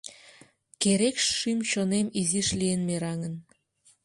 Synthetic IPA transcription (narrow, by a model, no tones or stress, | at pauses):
keɾekʃːimt͡ɕonemiziʃlijenmeɾɑŋən